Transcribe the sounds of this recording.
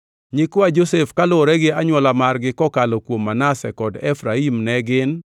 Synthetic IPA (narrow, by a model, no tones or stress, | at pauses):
ɲɪkwad͡ʒosefkalʊɾɛɡɪaɲwɔlamarɡɪkɔkalokwomːanasɛ̰kɔdɛfɾaimnɛɡɪn